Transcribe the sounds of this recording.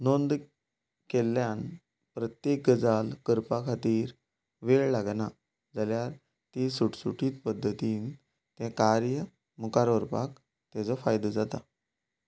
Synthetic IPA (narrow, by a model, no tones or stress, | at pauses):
nond̪ | kelːjan | pɾət̪jek̚ɡəd͡zalkəɾpakʰat̪iːɾ | ʋeɭlaɡna | d͡zaljaɾ | t̪isuʈsuʈiːt̪pəd̪ʱːət̪iːn | t̪ɛ̃kaɾjə | mukaɾəɾpa̰k | t̪ẽt͡səfajd̪əd͡zat̪a